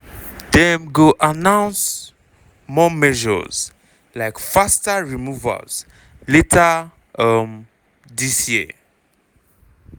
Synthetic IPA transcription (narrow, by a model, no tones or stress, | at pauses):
dɛ̃mɡoʔanãʊ̃ns | mɔmɛʒɔ̰z̥ | laɪkfastaɹimuvə̰z̥ | letʰa | ʌm | disji